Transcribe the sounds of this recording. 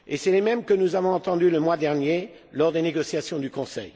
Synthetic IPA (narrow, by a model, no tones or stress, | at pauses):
esɛlemɛmkənuzavɔ̃ɑ̃t̪ɑ̃d̪yləmwad̪ɛʁnje | lɔʁd̪eneɡɔsjasjɔ̃d̪ykɔ̃sɛ̰j